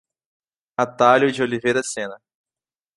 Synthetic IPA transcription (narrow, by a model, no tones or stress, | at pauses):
at̪aljʊd͡ʒɪolivejɾɐsẽnɐ